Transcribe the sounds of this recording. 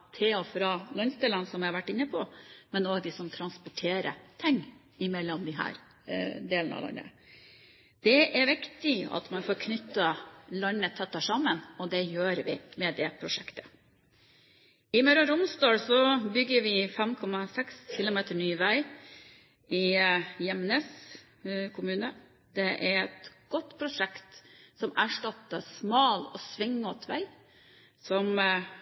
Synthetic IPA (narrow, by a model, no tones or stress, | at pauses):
t̪ʰɪlɔfɾɑlɔnst̪ɛlənsɔmʋɪhɑɾʋæʈːɪnːəpʰɔmɛnoːɡd̪ɪsɔmt̪ʰɾɑnspʊʈʰeːɾə̰t̪ʰɪŋː | ɪmɛlːɔmd̪ɪɦæ̰ːɾ | d̪eːlənɑ̰lɑ̰nːə̰ | d̪̥ɛʔæɾʋɪkt̪ɪɑ̰t̪mɑnfoːɾkʰnʏt̪ːɑlœnːət̪ʰɛt̪ːɑʂɑmːənɔd̪ɛjøːɾʋɪmɛd̪ɛpʰɾʊʂɛkt̪ə̥ | ɪmœɾɔɾʊmst̪ɑːlsɔbʏɡːəɾʋɪfɛmkʰɔmːɑsɛksçɪlʊmeːt̪əɳyːʋæɪ | ʔɪjɛmnes | kʰʊmʉːnə | d̪̥ɛʔæɾɛt̪ɡ̥ɔt̪ːpʰɾʊʂɛkt̪sɔmæʂʈɑt̪ːəsmɑːlɔsʋɪŋːɔt̪ʰʋæ̰ɪ | sɔm